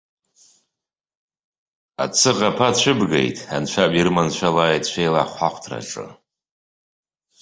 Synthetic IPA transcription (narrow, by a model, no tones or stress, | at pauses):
a̰t͡sʰɨʁapʰat͡ʃʷʰɨbɡḛjtʼant͡ʃʷʰabirmant͡ʃʷʰalajtt͡ɕʷʰejla̰χʷħaχʷʰtʰra̰ʈ͡ʂʼɨ̰